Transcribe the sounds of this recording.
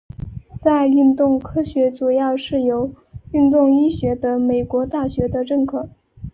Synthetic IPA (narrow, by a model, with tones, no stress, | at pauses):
t͡sa˥˧ɪy˥˧nt̪ʊ˥˧ŋkʰɤ˥ɕɥɛ˧˥t͡su˨˩jɑ˥˧ʊʂɻ̩˥˩jo˧˥ʊ | y˥˧nt̪ʊ˥˧ŋi˥ɕɥɛ˧˥d̪ə˧me˨˩ɪkwɔ˧˥t̪a˥˩ɕɥɛ˧˥d̪ə˧ʈ͡ʂɤ˥˧ŋkʰɤ˥˩